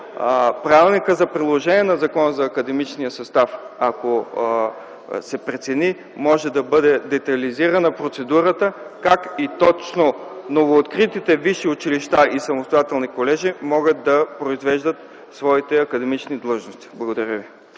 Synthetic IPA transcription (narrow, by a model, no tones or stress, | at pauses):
pɾavilˠnikəzɐpɾid̪lˠoʒɛniɛnɐzɐkɔnəzɐːkəd̪ɛmit͡ʃnijəsɐst̪afako | sɛpɾɛt̪sɛni | mɔʒɛd̪ɐbɤd̪ɛd̪ɛt̪ɐliziɾɐnɐpɾot̪sɛd̪uɾət̪əkakit̪ɔt͡ʃnonovoːt̪kɾit̪it̪ɛviʃiʊt͡ʃiliʃt̪aʔisɐmost̪ojat̪ɛlˠnikolɛʒimɔɡət̪̚d̪ɐpɾoizvɛʒd̪ət̪ | svɔit̪ɛɐkɐd̪ɛmit͡ʃnid̪lˠɤʒnost̪i̥blˠɐɡod̪ɐɾʲəvi